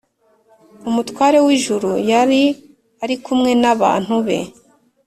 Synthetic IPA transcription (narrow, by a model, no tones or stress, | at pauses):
umutkwaːɾe̞wiʒuɾujaɾi | aɾikumŋe̞naβa̰ːn̥huβe̞̰